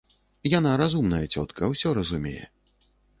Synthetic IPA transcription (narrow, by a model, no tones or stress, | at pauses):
janaɾazumnɐjɛt͡sʲɔt̪kʰɐwsʲɔɾɐzumʲɛ̰jɛ̰